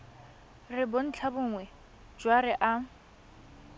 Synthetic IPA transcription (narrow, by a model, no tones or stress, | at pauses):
rɪbon̩t͡ɬʰabʊŋwɛ | d͡ʒwaɾɪʔa